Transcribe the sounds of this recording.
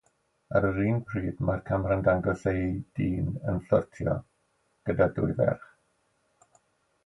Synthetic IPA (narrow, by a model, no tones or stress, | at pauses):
aɾəɾiːnpʰriːdmarkʰamrəndaŋɡɔsejd̥iːnənɬɔrtʰjɔ̰ | ɡ̥ədadʊɨvɛ̰rχ